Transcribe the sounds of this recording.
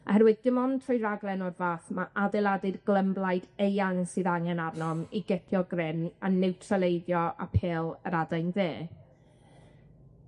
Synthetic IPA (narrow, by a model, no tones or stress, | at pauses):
a̰hɛɾwɨðdɪmɔntʰrɔjɾaɡlˠɛnɔrvaːθmaʔadɛlˠadɨrɡlˠəmblˠajdejaŋsɨðaŋɛnarnɔmiɡɛtʰjɔɡrɪnanɪwtʰralˠejdjɔa̰pʰeːlˠəɾadajnðeː